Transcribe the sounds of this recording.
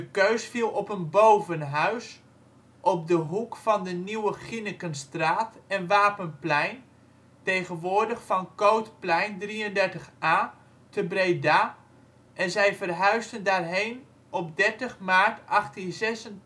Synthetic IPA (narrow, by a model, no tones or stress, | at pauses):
dəkøɥsfilˠɔpənbowvənɦœɥs | ʔɔp̚dəɦukfɑndəniwəχinəkənstraːtɛnʋaːpənplɛjn | tejχənʋʊːɹdəχfɑnkowtplɛjndriəndɛɹtəχʔaː | təbrejdaː | ʔɛnzɛjvərɦœɥstəndaːrɦejn | ɔp̚dɛɹtəχmaːɹtɑχtinzɛsən